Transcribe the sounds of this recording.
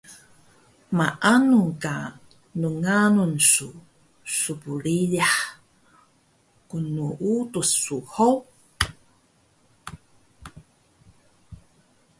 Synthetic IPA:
maʔanuka | nuŋanunsu | supuɾiʎaħ | kunuʔutusuhow

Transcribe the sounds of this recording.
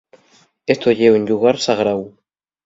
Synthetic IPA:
est̪ojʲewɘ̆nʲjuʁɑrsɑʁɾɑw

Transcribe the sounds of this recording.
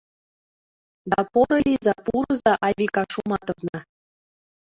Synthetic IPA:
d̪ɑpoɾɤ̆lʲizɑpuɾɤ̆zɑʔɑβʲikɑʃumɑt̪ɤ̆vnɑ

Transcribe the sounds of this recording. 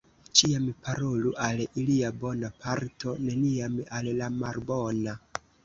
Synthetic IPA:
t͡ʃiampʰaɾo̞luʔaliliabo̞napʰaɾtʰo̞ne̞niamallamalbo̞na

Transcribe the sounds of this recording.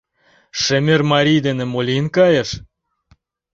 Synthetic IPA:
ʃĕmʲermɑɾʲijd̪enĕmolʲinkɑjəʃ

